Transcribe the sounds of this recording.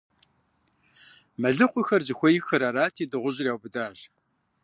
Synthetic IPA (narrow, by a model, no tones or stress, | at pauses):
mɐɮɨqʷʼʊxɐrzɨxʷɔjɪxɐɾaːɾaːtʰiːdɨʁʷʊʑrjaːwbɨdaːʒ